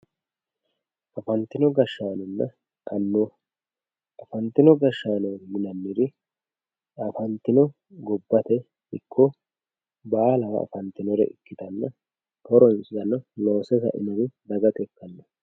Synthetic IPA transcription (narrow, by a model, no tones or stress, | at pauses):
ʔɐfɐnt̪ːɪnɔɡɐʃːaːnɔnːɐ | kɐnːo | ʔɐfɐnt̪ːɪnɔɡɐʃːaːnɔmɪnɐnːɪɾɪ | ɐfɐnt̪ːɪnɔ | ɡɔbːɐt̪ɛ | ɪkʰːɔ | baːlɐwɐ̰ɐ̰fɐnt̪ːɪnɔɾɛ̰ʔɪkːɪt̪ɐnːɐ | k̪ɔɾɔnsɪd̪ɐnːɐno̞ːsɛzɐ̰ʔɪ̰nɐɾɪd̪ɐɡɐt̪ʼɛkːɐnːɐ